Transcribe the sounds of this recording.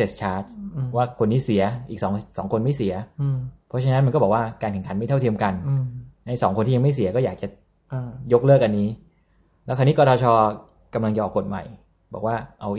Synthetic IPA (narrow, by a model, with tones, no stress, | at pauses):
se˨˩st͡ɕʰaː˦˥t̪̚waː˥˩kʰo˧nːiː˦˥si˩˦ɐʔi˨˩k̚sɔː˩˦ŋsɔː˩˦ŋkʰo˧nma˥˩jsi˨˩˦ɐpʰɔ˦˥t͡ɕʰa˧˥na˦˥nma˧kɔ˥˩bɔː˨˩waː˥˩kaː˧nkʰɛ˨˩ŋka˩˦nma˥˩jt̪a˥˩t̪ʰi˧əmka˧nna˧jsɔ̰ː˩˦ŋkʰo˧nt̪iː˥˩a˧ma˥˩jsi˩˦kɔ˥˩jaː˨˩t͡ɕa˨˩˧ | jo˦˥k̚lɤː˥˩kʔa˧nːiː˦˥ | lɛː˦˥wkʰa˧ni˦˥kʰɔ˥˩t̪ɔː˧t͡ɕʰɔː˧ | ka˧mla˧ŋt͡ɕa˨˩ʔɔː˨˩kːo˨˩t̪̚ma̰˨˩j | bɔː˨˩k̚waː˥˩ʔa˧w